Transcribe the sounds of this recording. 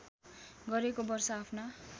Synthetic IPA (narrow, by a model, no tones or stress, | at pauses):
ɡʌɾekobʌrsʌapʰna